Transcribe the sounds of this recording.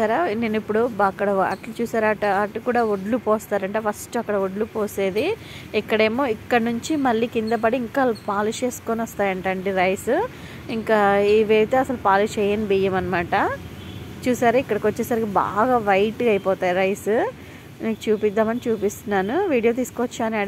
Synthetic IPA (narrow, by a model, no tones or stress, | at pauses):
aːɾaneːnipːuɽuɐkːɐɽɐɐ̰ʈlɐt͡ʃuːsaːɾɐʈɐʈukuːɽaːoɖlupoːst̪aːɾɐɳʈeːfɐsʈuɐkːɐɽɐoɖlupoːse̞ːd̪iː | kːɐɽe̞ːmo̞ːikːɐɽɐnuɲt͡ʃimɐlːiːkind̪ɐp̬ɐɽiːŋkapaːlut͡ʃe̞ːskoːnʋɐst̪aːjɐɳʈɐɳɖiɾɐjsu | iŋkaːiʋeːʋit̪eɐsɐlupaːlut͡ʃɛːjɐnbijɐmɐnɐmaːʈɐ | t͡ʃuːsaːɾuikːɐɽɐkot͡ʃːesɐɾikiba̰ːɡaːʋɐjʈɡɐjpɔːt̪aːjiɾɐjsu | miːkut͡ʃuːpid̪ːaːmɐnit͡ʃuːpist̪unːaːnuʋiːɽijoːt̪̬iːskoʋt͡ʃːaːnɐɽ